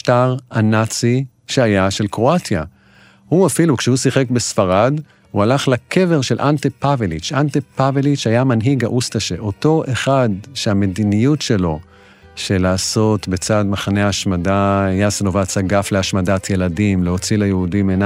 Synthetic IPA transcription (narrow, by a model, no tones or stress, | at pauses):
ʃtaʁanat͡si | ʃeajaʃe̞lkʁo̞atja | huafilukʃehusiχe̞kbesfaʁad | hualaχlakʰe̞ve̞ʁʃelʔantepavelit͡ʃantepavelit͡ʃajamanɦiɡa̰ʔustaʃeʔo̞to̞ʔeχadʃeame̞dinijutʃe̞lo̞ | ʃe̞laːso̞tbe̞t͡sadmaχane̞aːʃmadajasenovat͡saɡafleaʃmadatʰje̞ladimleɦo̞t͡silajeudimena